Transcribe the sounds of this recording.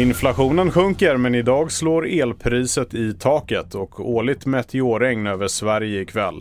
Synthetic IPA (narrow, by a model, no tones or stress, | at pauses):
ɪnflaɧuːnənɧɵŋkəɾmɛnɪd̪ɑːɡsloːɾeːlpʰɾiːsət̪ɪt̪ʰɑːkət̪ʰɔkʰoːɭɪt̪mɛt̪ʰːɪoːɾɛŋnøːvəʂvæɾjəɪkʰvɛ̰lː